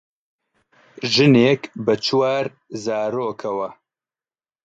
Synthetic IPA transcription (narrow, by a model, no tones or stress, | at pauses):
ʒɨneːkbɐt͡ʃʰwaːɾ | zaːɾoːkʰɐwɐ